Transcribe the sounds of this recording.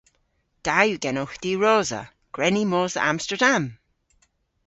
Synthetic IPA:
d̥ajuɡɛnɔxd̪̥iːɹoːzə̰ | ɡ̥ɹɛnimoːzə̰amstəɹdam

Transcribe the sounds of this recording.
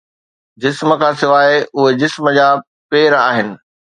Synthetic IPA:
d͡ʑɪsmə̆kʰãːsɪʋaːeʊɦed͡ʑɪsməd͡ʑaː | peːɾaːɦɪnɪ̆

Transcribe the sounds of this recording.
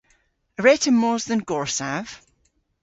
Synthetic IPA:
əɹɛtəmɔːzðə̃nɡ̥ɔɹsav̥

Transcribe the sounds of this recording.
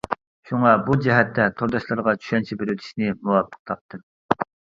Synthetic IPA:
ʃuŋɑbud͡ʒɛɦɛt̪ʰːɛt̪ʰoɾd̪ɑʃlˠɨɾʁɑt͡ʃʰy̥ʃɛnt͡ʃʰɛbeɾyt̪ʰi̥ʃnɪmuwɑpʰːə̥q̚t̪ʰɑp̚t̪ʰɨm

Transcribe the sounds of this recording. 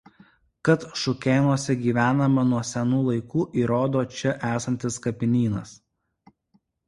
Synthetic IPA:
kɐt̪ʃʊkʲeːnuɔsʲɛɡʲiːʋʲæːnɐmɐnuɔsʲɛnuːlˠɐɪkuːʔiːɾoːd̪oːt͡ʃʲɛʔæːsɐnʲt̪ʲɪskɐpʲɪnʲiːnɐ̰s

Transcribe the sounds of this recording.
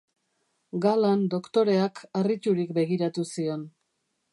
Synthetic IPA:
ɡaland̪o̞kt̪o̞ɾe̞akarit͡ʃuɾikbe̞ɣiɾat̪usio̞n

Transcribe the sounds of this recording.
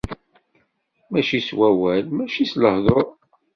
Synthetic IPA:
mæʃiswæwælmæʃisləhðˤoɾˤ

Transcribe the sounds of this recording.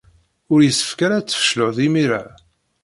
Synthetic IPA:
ʊɾjəsːə̥fkaɾat͡sːə̥fə̥ʃlʊʁðimiɾa

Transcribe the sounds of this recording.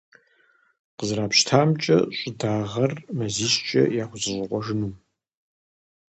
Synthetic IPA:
qəzraːpɕtʰaːmt͡ʃʼɐ̰ɕʷʼʊdaːʁɐrmɐziːɕt͡ʃʼɐ̰jaːxʷʊzɨɕʷʼɪqʷɔʒɨnum

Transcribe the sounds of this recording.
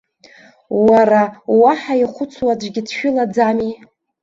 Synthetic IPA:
waɾawaħaiχʷʊt͡sʰwad͡ʒʷɡʲɪtʰʃᶣʊlad͡zami

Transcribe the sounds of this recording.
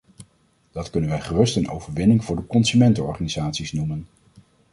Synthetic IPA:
d̥ɑtkɵnənʋɛjχərɵstənʔo̰wvəɹʋɪnɪŋvʊːɹdəkɔnsymɛntəɔ̰ɹχaːnizaːtsisnumən

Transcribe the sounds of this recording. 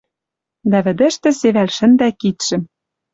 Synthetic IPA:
d̪æβɘ̆d̪ɘ̆ʃt̪ɘ̆seβælʃɘ̆nd̪ækit̪ʃɘ̆m

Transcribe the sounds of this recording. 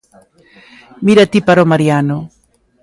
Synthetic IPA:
miɾat̪ipaɾomaɾjano

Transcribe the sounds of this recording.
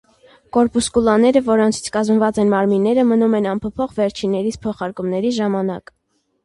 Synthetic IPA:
kɔɾpuskulɑnɛɾəvɔɾɔnt͡sʰi̥t͡sʰkɑzmvɑt͡sɛnmɑɾminːɛɾəmənumɛnɑmpʰɔpʰɔχvɛɾt͡ʃʰinːɛɾit͡sʰpʰɔχɑɾkumnɛɾiʒɑmɑnɑ̰k

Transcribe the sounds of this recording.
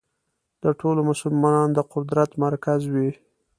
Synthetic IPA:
d̪̥əʈʰolomʊsʊlmɑnɑnd̪əqʊd̪ɾat̪maɾkazwi

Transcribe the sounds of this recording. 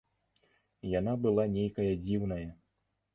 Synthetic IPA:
janabɨlˠanʲejkɐjɐd͡zʲiwn̪ɐjɐ

